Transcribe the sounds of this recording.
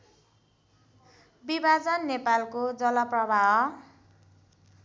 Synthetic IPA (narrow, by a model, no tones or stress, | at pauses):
bibʱad͡zʌnːepalkod͡zʌlʌprʌbʱaɦʌ